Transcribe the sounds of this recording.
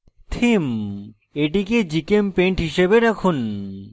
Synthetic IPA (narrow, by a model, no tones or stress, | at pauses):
t̪ʰim | eʈiked͡ʑikempeɳʈɦiʃebeɾɛkʰun